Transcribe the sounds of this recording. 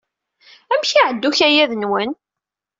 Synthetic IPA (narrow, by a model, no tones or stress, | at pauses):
æmçiʕəd̪ːuçæjæðənwən